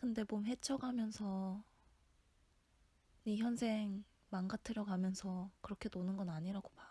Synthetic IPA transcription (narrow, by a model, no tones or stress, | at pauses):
kɯnde̞bomɦe̞t͡ɕʰʌɡɦamjʌnsʰʌ | niçjʌnsʰe̞ŋ | maŋɡatʰɯɾjʌɡamjʌnsʰʌkɯɾʌkʰe̞tonɯnɡʌnaɲiɾaɡoba